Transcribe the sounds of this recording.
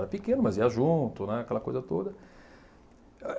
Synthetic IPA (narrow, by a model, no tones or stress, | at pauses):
ɾɐpikẽnʊmɐziɐʒũt̪ʊnɛakɛlɐkojzɐt̪od̪ɐ